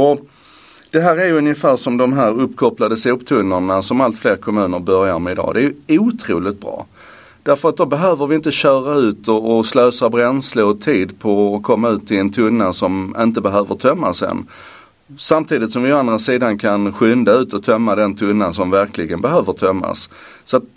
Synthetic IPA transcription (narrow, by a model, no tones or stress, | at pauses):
ɔ | d̪̥ɛɦæːɾæɾjɵnjəfæːɾʂɔmd̪ɔmɦæːɾɵpːkʰɔplad̪əsuːpt̪ʰɵnːəɳasɔmalt̪fleːɾkʰɔmʉ̟ːnəɾbœɾjaɾmɛɪd̪ɑ̰ːd̪ɛæɾjɵuːt̪ʰɾṵːlɪt̪̚bɾɑ̰ː | d̪̥æɾfœɾat̪̚d̪ɔbɛɦøːvəɾvɪɪnt̪əɕœːɾaʉ̟ːt̪ɔːsløːsabɾɛnsləɾɔt̪ʰiːd̪pʰɔːkʰɔmːaʉ̟ːt̪ʰːɪlɛnt̪ʰɵnːasɔmɪnt̪əbɛɦøːvət̪ʰœmːa̰sɛ̰nː | samt̪ʰiːd̪ɪt̪sɔmvɪɔand̪ɾasiːd̪ankʰanɧʏnd̪aʉ̟ːt̪ɔt̪ʰœmːad̪ɛnt̪ʰɵnːasɔmvæɾklɪɡənbɛɦøːvət̪ʰœmːa̰ssɔat̪̚